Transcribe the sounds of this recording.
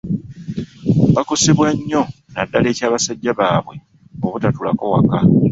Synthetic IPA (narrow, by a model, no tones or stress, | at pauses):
bako̞seβwaɲːo̞ | nadːale̞ːcaːβasaɟːaβaːβwe̞ | oβutatula̰kowa̰ka